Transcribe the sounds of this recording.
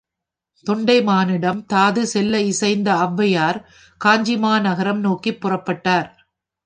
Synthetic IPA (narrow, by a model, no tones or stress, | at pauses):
t̪ɔɳɖɐɪmaːnɪɽɐmt̪aːðɯsɛlːɐɪsɐɪnd̪ɐɐʋːɐjaːɾ | kaːɲd͡ʒɪmaːnɐɣɐɾɐmnoːkːipːʊrɐpːɐʈːaːɾ